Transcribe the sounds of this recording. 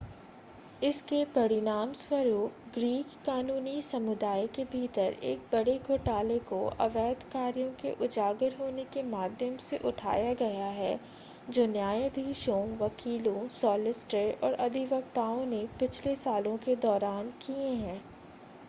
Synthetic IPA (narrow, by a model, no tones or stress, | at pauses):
ɪskepɐɽɪnaːmswəɾuːpɡɾiːkːaːnuːnisɐmʊd̪aːikebʱiːt̪əɾḛːk̚bɐɽeɡʱoːʈaːlekoʔɐ̰ʋɛːd̪kaːɾijõkeʔʊd͡ʒaːɡəɾɦoːnekemaːd̪ʱjəmseʔʊʈʰa̰ːjaɡɐjaɦɛ | d͡ʒoːnjaːjə̃d̪ʱiːʃõʋɐkiːlõsɔːlɪsʈəʔɔːɾʔɐd̪ʱɪʋɐɡt̪aːõnepɪt͡ʃʰlesaːlõked̪ɔːɾaːnkieɦɛ̃ː